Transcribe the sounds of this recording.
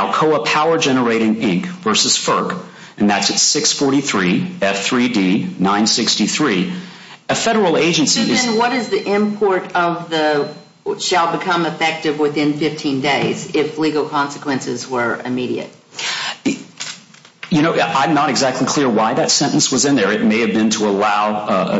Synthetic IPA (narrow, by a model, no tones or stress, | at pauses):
ʊkʰoʊəpʰaʊə˞d͡ʒɛñə˞eɪɾɪ̃ŋɪ̃ŋkvɜ˞sɨz̥fɜ˞k | ɨ̃nðætsɨtsɪksfɔɹɾiθɹiɛfθɹidinãɪ̃nsɪkstiθɹi | ɨfɛɾə˞l̩ˠeɪd͡ʒɨ̃nsiɨzɨ̃nwʌɾɨzðiʔɪ̃mpʰɔɹɾʌvðə | ʃəlˠbɨkʰʌ̃məfɛk̚tɨvwɪθɪ̃nfɪftʰĩndeɪzɪfliɡl̩ˠkʰɑ̃nsɨ̥kʰwɛ̃nsɨzwə˞ɨ̰miɾḭɨ̰t̚ | jɨñoʊãɪ̃mnəɾɨɡzæk̚tʰˡlikʰl̥ɪɹwaɪðɨtsɛ̃ñʔn̩swʌzɨ̃nðə˞ɨt̚meɪɨvbɨ̃ntʰəəlaʊ